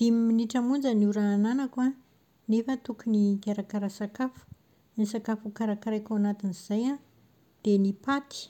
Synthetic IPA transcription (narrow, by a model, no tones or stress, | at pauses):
d̪̥imminiʈ͡ʂamund͡zəniuɾaananakua | nefət̪ukuniɡaɾakaɾasakafu̥ | nisakafukaɾakaɾajkawanat̪iniz̥aja | d̪̥enipat̪i̥